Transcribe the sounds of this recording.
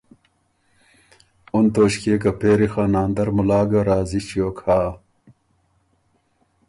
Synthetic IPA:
unt̪oːɕkeːk̬ɐpeːɾixaːnaːnd̪ɐɾmulaːɡɐɾaːzit͡ɕijoːkʰaː

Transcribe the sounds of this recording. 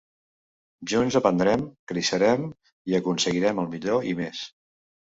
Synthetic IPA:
ʒunzəpənd̪ɾɛmkɾiʃəɾɛm | iəkunsəɣiɾɛməlˠmiʎoimes

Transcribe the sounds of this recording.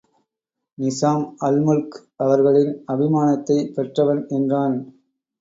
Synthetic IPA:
nɪsaːmɐlmʊlk | ʔɐʋɐɾɣɐɭɪnɐbɪmaːnɐt̪ːɐɪpɛʈrɐʋɐnɛndraːn

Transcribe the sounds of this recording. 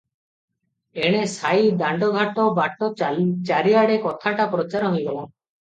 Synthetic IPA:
eɽ̃esajd̪aɳɖɔɡʱaʈɔbaʈɔt͡ʃaɾiaɽekɔt̪ʰaʈapɾɔt͡ʃaɾɔɦojɡɔlɔ

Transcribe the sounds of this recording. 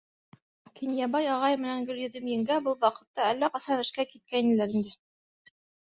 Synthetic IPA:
kʰinjɑbɑjɑʁɑjmɘ̆næŋɡɵ̆ljɵ̆ðɘmjɘ̆ŋɡæbɤlˠwɑqɤ̆t̪ːɑælːæqɑsɑnɘ̆ʃkækit̪̚kænɘ̆læɾind̪ɘ

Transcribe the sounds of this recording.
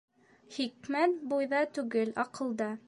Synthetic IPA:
χikmæt̪̚bujðɑt̪ʉɡɘlɑqɤ̆lˠd̪ɑ

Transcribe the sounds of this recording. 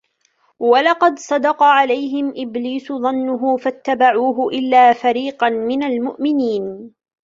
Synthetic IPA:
wɑlɑqɑd̪sˤɑd̪ɑqɑʕalajɦɪmʔɪbliːsʊðˤɑnːʊɦʊfat̪ːabaʕuːɦʊʔɪlːaːfaɾiːqɑnmɪnalmʊʔmɪniːn

